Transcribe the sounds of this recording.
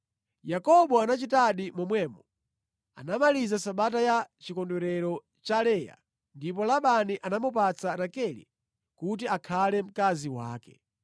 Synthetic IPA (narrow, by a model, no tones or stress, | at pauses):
jakɔɓɔanat͡ʃitaɗimɔmwɛːmɔ | a̰namalizasaɓat̬ajat͡ʃikɔndɛɾɛɾɔ | t͡ʃalɛja̰ | ndip̬ɔlaɓaniʔanamup̬at͡saɾakɛlḭ | kut̬iakʰalɛm̩kaziwa̰ːkɛ̥̰